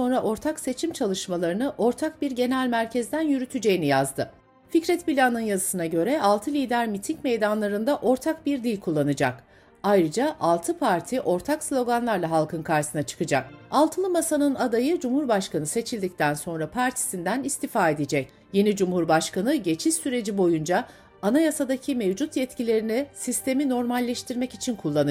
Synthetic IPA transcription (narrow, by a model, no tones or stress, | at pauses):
so̞nɾaʔo̞ɾt̪ʰakse̞t͡ʃʰimt͡ʃʰalˠɯʃmalˠaɾɯnɯʔo̞ɾt̪ʰak̚biɾɟe̞nælʲmæɾcʰɛzd̪ænjyɾyt̪ʰyd͡ʒe̞jinijazd̪ɯ | ficɾɛt̪pilʲanɯnjazɯsɯnaɟø̞ɾɛʔalˠt̪ʰɯlʲiːd̪æɾmit̪ʰicme̞jd̪anlˠaɾɯnd̪aʔo̞ɾt̪ʰak̚biɾd̪ilʲkʰulˠːanɯd͡ʒa̰k | ajɾɯd͡ʒaʔalˠt̪ʰɯpʰaɾt̪ʰiʔo̞ɾt̪ʰakslʲo̞ɡanlˠaɾlˠaɦalˠkʰɯnkʰaɾsɯnat͡ʃʰɯ̥kɯd͡ʒa̰k̚alˠt̪ʰɯnˠɯmasanɯnad̪ajɯd͡ʒumhuɾbaʃkanɯse̞t͡ʃʰilʲd̪ic̚t̪ʰænso̞nɾapʰaɾt̪ʰi̥sind̪ænist̪ifaːe̞d̪ed͡ʒɛc | je̞nid͡ʒumhuɾbaʃkanɯɟe̞t͡ʃʰiʃsyɾe̞d͡ʒibo̞jund͡ʒa | anajasad̪acʰimevd͡ʒut̪jɛt̪cilʲe̞ɾinisist̪ʰe̞mino̞ɾmalʲːɛʃt̪ʰiɾmɛcit͡ʃʰinkʰulˠːanɯ